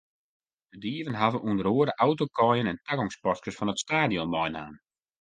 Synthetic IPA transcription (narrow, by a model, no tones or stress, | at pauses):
dədiəvənɦavəʔuəndəɾoəɾəʔawtokʰɔjənɛntʰaɡɔŋspɔskəsfɔnətstaːdjɔmːɔjna̰ːn